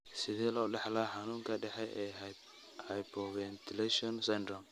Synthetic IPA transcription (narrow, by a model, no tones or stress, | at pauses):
sɪðɛːlɔɖɛħlɐħanuːŋkʰɐɖɛħɛjʔɛː | hɐjpɔwɛnt̪ɪlɛʃɔnsɛndɾɔm